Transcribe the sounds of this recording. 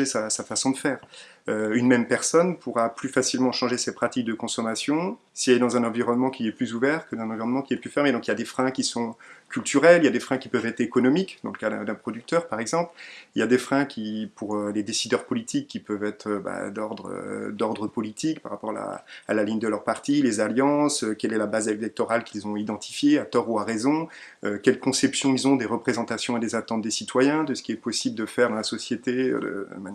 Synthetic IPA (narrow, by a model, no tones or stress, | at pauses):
ʒesasafasɔ̃d̪əfɛːʁ | øynmɛmpɛʁsɔnpʰuʁaplyfasilmɑ̃ʃɑ̃ʒesɛpχat̪ik̚d̪əkɔ̃sɔmasjɔ̃ | sialed̪ɑ̃zɛ̃nɑ̃viʁɔnmɑ̃kʰʲiɛplyzuvɛʁkəd̪ɑ̃ɛ̃nɑ̃viʁɔnmɑ̃kʲiɛplyfɛʁmed̪ɔ̃kiljad̪efχɛ̃kʲisɔ̃kʰʲylt̪yʁɛlijad̪efχɛ̃kʲipœvɛt̪χekɔnɔmikd̪ɑ̃ləkad̪ɛ̰̃d̪ɛ̃pχɔd̪yk̚t̪œʁpaʁɛɡzɑ̃pliljad̪efχɛ̃kʲipuʁøled̪esid̪œʁpɔlit̪ʰikʲːipœvɛt̪χøba̰d̪ɔʁd̪ʁø̰d̪ɔʁd̪ʁəpɔlit̪ʰikpaʁapɔʁaa̰ːlaliɲd̪əlœʁpaʁt̪ilezaljɑ̃søkʲɛlɛlabazelɛk̚t̪ɔʁalkʲilzɔ̃id̪ɑ̃t̪ʰi̥fjeat̪ɔʁuaʁezɔ̃økʲɛlkɔ̃sɛpsjɔ̃ilzɔ̃d̪eʁəpχezɑ̃t̪asjɔ̃ed̪ezat̪ɑ̃t̪̚d̪esit̪wajɛ̃d̪əsə̥kʲiɛpɔsibləd̪əfɛʁd̪ɑ̃lasɔsjet̪ḛd̪ə̰ma